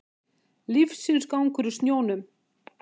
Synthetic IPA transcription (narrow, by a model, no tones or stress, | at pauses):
lifsinskawŋkʏɾʏst̪njoːwnʏm